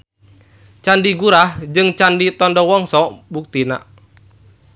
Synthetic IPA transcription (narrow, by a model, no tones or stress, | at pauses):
t͡ʃandiɡuɾahd͡ʒɨŋt͡ʃandit̪ɔndɔwɔŋsɔbuk̚t̪ina̰